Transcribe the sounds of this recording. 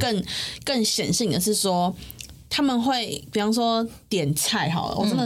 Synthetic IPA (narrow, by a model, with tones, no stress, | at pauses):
kə˥˨ŋkə˥˨ŋɕjɛ˨˩nɕi˥˨˩nd̪ə˩ʂɻ̩˥˩swɔ˦˥ | t̪ʰa˦˥mə˨nxwe˥˩ɪpi˨˩fɑ˥ŋʂwɔ˦˥t̪jɛ˨˩nt͡sʰa˥˩ɪxɑ˨˩ʊlə̰˨wɔ̰˨˩ʈ͡ʂə˦nd̪ə˨